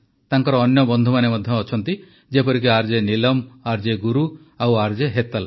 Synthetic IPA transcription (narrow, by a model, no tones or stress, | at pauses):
t̪aŋkɔɾɔːnjɔbɔnd̪ʱumanemɔd̪ʱjɔːt͡ʃʰɔnt̪i | d͡ʒepɔɾik̬iaɾd͡ʒenilɔmaɾd͡ʒeɡuɾu | awaɾd͡ʒeɦet̪al